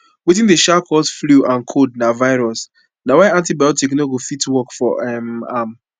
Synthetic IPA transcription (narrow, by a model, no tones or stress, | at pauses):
wiθĩndeʃakʰɔsfluʔãnkʰod̚navaɪɹɔs | nawaãntibajɔtiknoɡofitwɔkfɔ̰ɛma̰m